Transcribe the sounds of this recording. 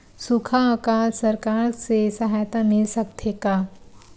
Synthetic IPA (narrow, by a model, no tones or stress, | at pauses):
sukʰakalsɐɾkaːɾsesɐɦajt̪amɪlsɐkt̪ʰeka